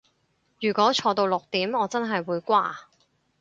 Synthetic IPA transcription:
jyː˨˩kʷɔː˨˥t͡ʃʰɔː˨˧t̪o˧wlʊ˨k̚t̪iː˨˥mɔː˨˧t͡sɐ˥nɦɐ˨jwuː˨˧jkʷaː˥

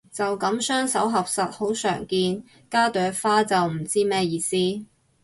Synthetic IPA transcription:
t͡sɐ˨wkɐ˨˥msœː˥ŋsɐ˨˥wɦɐ˨p̚sɐ˨t̚ho˨˥wsœ̰ː˨˩ŋkiː˧n | kaː˥t̪œː˨˥faː˥t͡sɐ˨wm̩˨˩t͡siː˥mɛː˥jiː˧siː˥

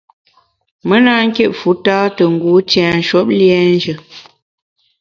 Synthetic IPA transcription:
mə˦naː˦ŋ̩˦ke˦ʔfu˨˦taː˦tə˨ŋ̩˨ɡu˨˦tɛ̃ː˨n̩˨ʃɔ˦p̚ljɛ˦n˦d͡ʒə˨

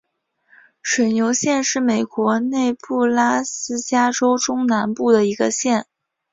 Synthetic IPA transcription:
ʂwə˨˩ɪnjo˧˥ʊɕjɛ˥˧nʂɻ̩˥˩me˨˩ɪkwɔ˧˥ne˥˧ɪpu˥˩la˥sɹ̩˥t͡ɕja˥ʈ͡ʂo˥ʊʈ͡ʂʊ˥ŋna˧˥npu˥˩d̪ə˩i˧˥ɡə˧ɕjɛ˥˩n

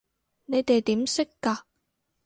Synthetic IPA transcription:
ne˨˧jt̪e˨jt̪iː˨˥msɪ˥kːaː˧

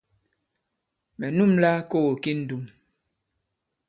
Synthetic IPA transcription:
mɛ˨nu˦mla˦ko˦wo˨ki˦n̩˦du˨m

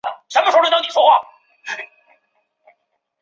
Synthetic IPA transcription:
ʂə˧˥mə˩ʂwɻə˥t̪ɑ˥ŋni˨˩wɔ˥xwa˥˩

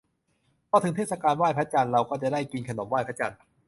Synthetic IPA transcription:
pʰɔ˧˩t̪ɯ˩˦ŋt̪eː˥˩sa˧kaː˧nwaː˥˩jpʰɾ̚t͡ɕa˧nɾa˧wkɔː˥˩t͡ɕa˨˩daː˥˩jkiː˧nkʰa˧no˩˦mwaː˥˩jpʰa˦˥t͡ɕa̰˧n

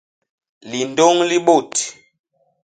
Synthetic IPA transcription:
li˨ndo˦ŋli˦ɓo˦˨t

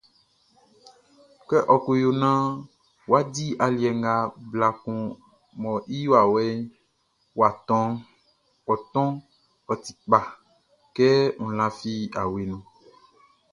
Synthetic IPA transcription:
kɛ˦ʔɔ˨ku˨jo˨nã˦ | wo˨˦a˦di˦ʔa˨li˨ɛ˨ŋɡa˨bla˨kũ˨ | mɔ̃˨ʔi˦jo˦a˨wɛ˦ | wa˨t̪ɔ̃˦ŋ | wɔ˨t̪ɔ̃˦ | ɔ˨t̪i̥˨k͡pa˨ | kɛ˦ŋũ˨lã˨fi˦a˨we˨nũ˨

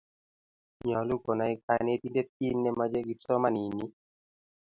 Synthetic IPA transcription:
ɲɔ˨lu˦kɔ˨na˨˦i˦ka˦ne˦ti˦nde˦t̚i˦nːɛ˦ma˦d͡ʒe˦ɡi˦t͡sɔ˦ma˦ni˨ni˦

